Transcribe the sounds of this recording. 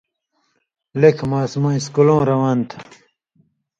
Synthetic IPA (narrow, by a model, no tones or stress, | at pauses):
lekʰmaːsmãːiskulõːɾɐwaːnt̪ʰa